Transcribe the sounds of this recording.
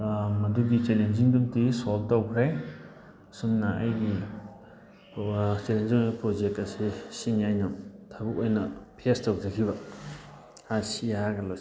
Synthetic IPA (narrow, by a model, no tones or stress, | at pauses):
mɐduɡit͡ʃelenziŋdumtisoltawkʰɾe | sumnɐɐjɡi | t͡ʃelenziŋbipɾod͡ʒek̚tɐsisinjajnamtʰabukojnɐpʰestawd͡ʒakʰiβɐ | hasijaaɡɐlo